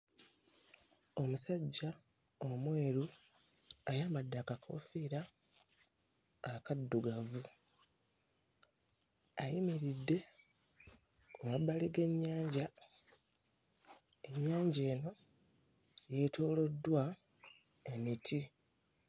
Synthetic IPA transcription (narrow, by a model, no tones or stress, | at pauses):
o̞musaɟːa | omwe̞ːɾu | ajaːmbadːaːkakʰo̞̰ːfiːɾa | kadːuɡavu | ajimiɾidːe̞ | kumabːaliɡe̞ɲːaːɲɟa | e̞ɲːaːɲɟe̞ːno̞ | je̞to̞ːlo̞dːwa | e̞mitʰi